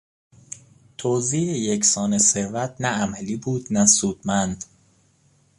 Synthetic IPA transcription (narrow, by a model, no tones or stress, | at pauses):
t̪ʰoːziːejecʰsɒːnese̞ɾvæt̪̚ʰnææmæliːbuːd̪̥næsuːd̪̥mænd̪